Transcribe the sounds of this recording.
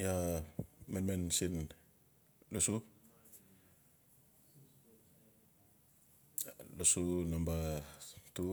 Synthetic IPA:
ja | menmensin | lusu | lusunamba | tu

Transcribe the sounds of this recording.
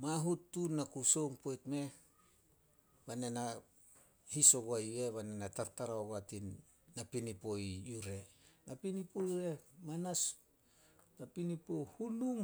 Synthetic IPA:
maɦutːunːakuso̞ŋpojtme̞ | βane̞na | hiso̞ɡoaje̞βanenataɾtaɾaoɡatinː | apinipo̞iuɾe̞napinipojuɾe̞manas | napinipo̞hunuŋ

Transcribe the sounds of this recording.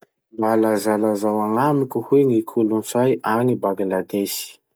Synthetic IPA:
mbalazalazawaŋamikuhweŋikʰulunfajʔanibaɡilad̪esi̥

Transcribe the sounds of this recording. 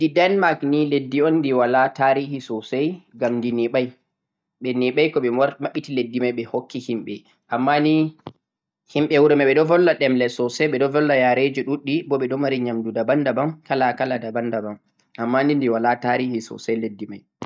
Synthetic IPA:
didɛnmakniledːiɔnːdiwalataɾihisɔsajɡamndiniɓaj | ɓɛniɓajkɔɓɛmaɓːitiledːimajɓɛhokːihimɓɛ | ʔamːani | himɓɛwuɾɛmaɓɛɗɔvɔlːaɗɛmlɛsɔsɛɓɛɗɔvɔlːajaɾed͡ʒɔɗuɗːibɔɓɛɗɔmaɾiɲamdudabandabamkalakaladabandabam | ʔamːanindiwalataɾihisɔ̰sajledːimaj

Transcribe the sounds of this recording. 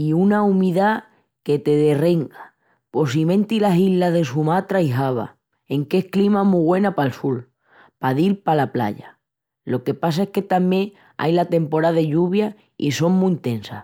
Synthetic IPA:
iunaumiða | ke̞t̪e̞ðe̞reŋɡa | po̞simẽ̞nt̪ilasillːaðe̞sumat̪ɾajɦaβ̞a̰ | e̞ŋke̞hklimamuɣwe̞napaelsul | paðilpalapla̰ʎa | lo̞ke̞pasaehke̞t̪amjẽ̞ŋ | a̰jlat̪e̞mpo̞ɾaðe̞ʎuβja | ḭso̞ŋmũint̪e̞nsa̰

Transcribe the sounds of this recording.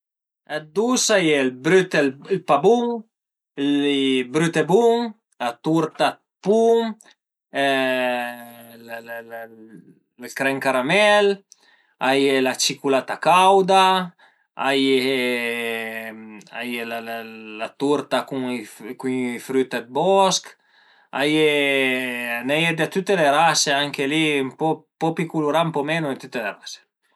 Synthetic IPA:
ad̪usajelbɾyt̪eilpabuŋ | libɾyt̪ebuŋ | lat̪uɾt̪a | puŋ | kɾɛŋkaɾamɛl | ajelat͡ʃikulat̪akawd̪a | a̰je | a̰jelallat̪uɾt̪akuŋkuŋfɾyt̪ed̪̚bɔsk | a̰je | nɛjed̪et̪ut̪ːeleɾaseaŋkelimpɔpɔpikuluɾaumpɔmenoit̪ut̪ːelerase̥

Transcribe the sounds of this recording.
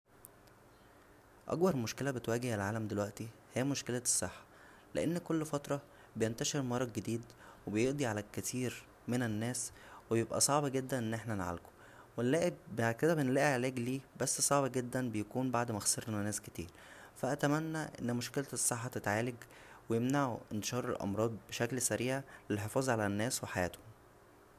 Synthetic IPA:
ʔɑ̰ɡbɑɾˤmoʃkelæbet̪wæːɡehelʕaːlæmd̪elwæʔt̪ihiːmoʃkelæ̥sˤːeħːɑ̥ | lḛʔenːkolːfɑt̪ɾˤɑ | bejent̪æʃeɾmɑɾˤɑɡed̪iːd̪webejeʔd̪ˤiʕalækːæt̪iːɾ | menenːæːswebjebʔæ̰sˤɑʕbɑɡed̪ːænʔenːʔeħnænʕa̰lko̥ | welːæːʔebbad̪ked̪æbenlːæːʔiʕelæːɡliːbæsːsˤɑʕbɑɡed̪ːænbejækuːnbaʕd̪mæxseɾnænæːsket̪ḭːɾ | fæʔæt̪æmænːæʔḛnːmoʃkelt̪esˤːɑħːɑt̪et̪ʕaːleɡ | wejemnaʕuʔent̪eʃɑːɾˤḛlʔɑ̰mɾˤɑːd̪ˤbeʃæklsæɾiːʕlelħefɑːzˤʕalænːæːsweħajæ̰ːt̪hom

